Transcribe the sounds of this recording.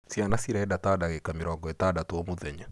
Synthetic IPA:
sianasiɾaɛdatadaɣɛkamɪɾɔŋɡɔɛtadatɔɔmoðɛɲa

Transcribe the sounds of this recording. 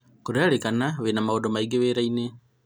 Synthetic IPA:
kuɾaɾekanaβenamaodomaiɡeβeɾaine

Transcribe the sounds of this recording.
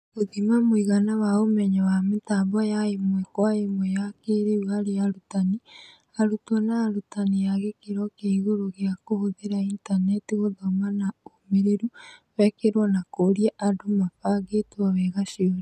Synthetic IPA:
ɣoðimamwiɣanaβaomɛɲawamitaːbajaemwekwajemwejakeɾewaɾejaɾutani | aɾutonaːɾutanijaɣekiɾokeɣoɾoɣjakohoðeɾaintanetiɣoðomanaomeɾeɾuβɛkeɾwanakoːɾjaʔadomafaɡetuaβɛɣaʃjoɾi

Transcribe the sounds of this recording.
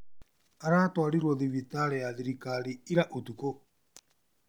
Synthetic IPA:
aɾatwaliɾwɔðiβit̪aɾɛjaðiɾikaliiɾaʔut̪uko

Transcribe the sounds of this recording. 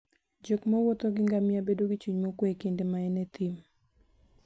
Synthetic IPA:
d͡ʒokmowot̪oɡɪŋɡamɪabedoɡit͡ʃuɲmokwekendemaɛnet̪ʰim

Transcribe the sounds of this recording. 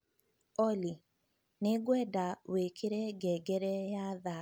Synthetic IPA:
ɔli | neɡwɛdawekʰeɾɛɡɛɡɛɾɛjaða

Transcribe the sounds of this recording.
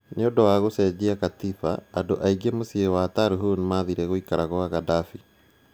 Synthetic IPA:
neodɔwaɣosɛd͡ʑiakat̪ifa̰ːdoʔaiɡemosiewataɾuɦunmaðiɾɛɣoikaɾaɣoaɣadafi

